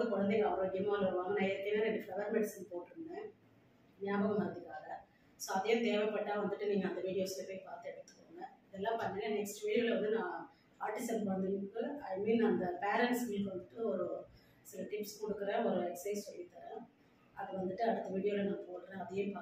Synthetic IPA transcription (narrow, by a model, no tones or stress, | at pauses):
ɡ̪ɐkɔɻɐnd̪eɡɐʋɐɾoɡɪɐmːaːlɪɾɯʋaːŋɡɐnãːɛɾɯt̪ːɪnaːnɛɖɪfɐʋɐɾmɛɽɪsɪnpoːʈɾɯnd̪ẽː | mɪjaːbɐmɐmɐɾnd̪ɯkːaːɡɐ | soːɐðɐjẽt̪eːʋɛpːɐʈːaːʋɐnd̪ɯʈːɯniːŋɡɐːnd̪ɐʋiːɽɪjoːslɐpoːɪpaːɾt̪ːɯɛɽɯt̪ːɯ̥kːoːŋɡɐɪðɛlːãːpɐnːɐnɐnɛksʈʋiːɽɪjoːlɐʋɐnd̪ɯnãː | aːɾʈːɪsɐmpʋɐnd̪ɯnɯkːɯɐɪmiːnɐnd̪ɐpeːɾɛɳʈskiːʋɐnd̪ɯʈːɯɔɾɯ | sɪlɐʈɪpskɔɽɯkːɯɾẽːɔɾɯɛksɐɪssɔlːɪt̪ːɐɾɛ̃ | ɐðɐʋɐnd̪ɯʈːɯɐɽɯt̪ːɐʋiːɽɪjoːlɐnãːpoːʈːɾẽːɐðɐjẽpaː